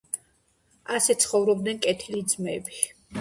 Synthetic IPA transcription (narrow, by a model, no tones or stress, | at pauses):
asɛt̪sʰχɔvɾɔb̚d̪nɛnkʼɛt̪ʰilid̪zmɛbi